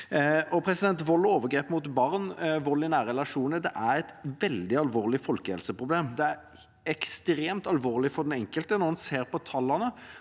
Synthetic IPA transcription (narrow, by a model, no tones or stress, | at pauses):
ɔpʰɾɛsɪd̪ɛnt̪ʋɔlːoːʋəɾɡɾeːpmʊt̪bɑʁnʋɔlːɪnæːɾəɛlɑʂuːnəd̪ɛʔæɾɛt̪ʋɛld̪ɪɑlʋoːʁlɪfɔlkəhɛ̰lsəpʁʊbleːmd̪ɛæɾ | ɛkst̪ɾeːmt̪ɑlʋoːʁlɪfɔʁd̪ɛnɛŋkəlt̪ənɔənseːɾpɔt̪ʰɑlɑnə